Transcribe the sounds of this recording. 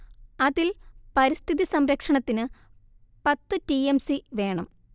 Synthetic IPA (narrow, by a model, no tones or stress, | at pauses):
ɐðilpɐɾist̪ʰiðisɐmɾɐkʂɐɳɐt̪ːinɨ | pɐt̪ːɨtiemsiʋe̞ːɳɐm